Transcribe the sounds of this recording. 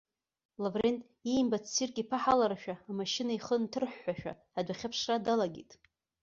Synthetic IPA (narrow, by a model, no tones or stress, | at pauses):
lavrentʼ | ijmbat͡sʰsirkʼipʰaħalaɾaʃᶣaːmaʃinaiχəntʰɨrħʷːaʃᶣa̰ːdʷaχʲapʰʂradalaɡʲḭtʼ